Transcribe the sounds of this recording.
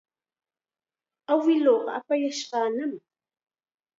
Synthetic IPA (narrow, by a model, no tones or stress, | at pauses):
awɪloːqɑ̰apajaʃqɑːnam